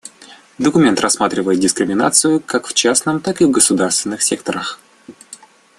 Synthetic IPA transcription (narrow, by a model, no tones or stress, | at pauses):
d̪əkʊmʲe̞nt̪rɐsːmat̪ɾʲɪvəjɪt̪̚dʲɪskɾʲɪmʲɪna̰t̪sɨjʊkakft͡ɕasnəmt̪akɨvɡəsʊd̪arst̪vʲɪnːɨxsʲe̞k̚t̪əɾəx